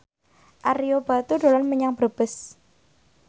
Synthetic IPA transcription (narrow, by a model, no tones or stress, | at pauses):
ʔaɾijob̥a̤t̪uɖo̤lɔnməɲaŋb̥b̥əs